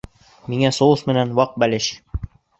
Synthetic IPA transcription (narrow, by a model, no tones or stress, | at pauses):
miŋæsoɤsmɘ̆nænwɑq̚bælɘɕ